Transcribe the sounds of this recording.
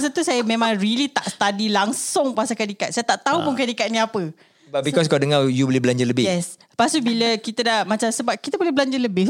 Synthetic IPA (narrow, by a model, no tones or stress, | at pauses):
s̬ət̪usajəmẽmãŋrilit̪aʔst̪adilaŋsʊŋpasakadikat̪sajət̪aʔt̪aupʊnkadikat̪̚nĩapə | babikɔs̬kaadəŋajubolɛhbəlaɲd͡ʒələbɪjɛs | pasubiləkit̪ədahmãt͡ʃamsəbap̚kit̪aəbolɛhbəlaɲd͡ʒələbɪ